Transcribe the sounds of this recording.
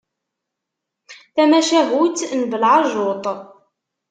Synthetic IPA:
θæmæʃæɦut̪nbəlʕɑʒot̪ˤ

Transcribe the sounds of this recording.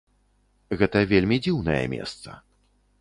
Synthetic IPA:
ɣɛt̪ɐvʲelʲmʲid͡zʲiwnɐjɛ̰mʲɛ̰st̪sɐ̰

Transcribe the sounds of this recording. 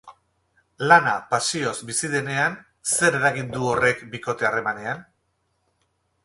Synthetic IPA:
lanapasio̞zbisiðe̞ne̞an | se̞ɾe̞ɾaɣind̪uo̞re̞kbiko̞t̪e̞are̞mane̞an

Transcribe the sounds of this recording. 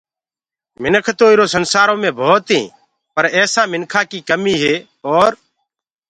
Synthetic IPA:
mɪnəkʰt̪õːɪɾoːsənsaːɾõːmẽːbʱoːt̪ɦḭ̃ː | pəɾɛːsãːmɪnkʰaːkiːkəmiːɦeː | ɔːɾ

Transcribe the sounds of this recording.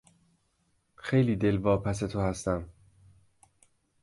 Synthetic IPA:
xe̞jliːd̪e̞lvɒːpʰæs̬e̞t̪ʰohæst̪æm

